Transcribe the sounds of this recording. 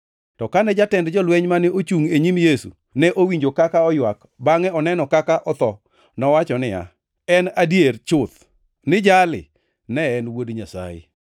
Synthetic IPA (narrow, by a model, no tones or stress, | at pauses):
tɔkanɛd͡ʒatɛndd͡ʒɔlwɛɲmanɪʔot͡ʃuŋeɲimjesṵ | nɛʔowiɲd͡ʒokakaɔjwak | baŋɛɔnɛnɔkakaʔɔt̪ɔ | nɔwat͡ʃɔnɪa̰ | ɛnadjert͡ʃʊt̪ | nɪd͡ʒalɪ̰ | nɛːnwodɲasa̰jɪ̰